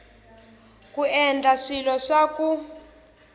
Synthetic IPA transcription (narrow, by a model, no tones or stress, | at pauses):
kʼuɛnd͡ɮʱaʂilɔʂakʼu